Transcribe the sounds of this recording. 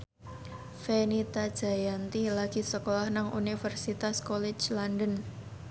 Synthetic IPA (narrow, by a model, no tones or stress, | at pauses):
fenit̪ad̥ʒ̥a̤jant̪ilaɡ̥i̤səkolahnaŋʔṵnifərsit̪askɔlɪt͡ʃlandən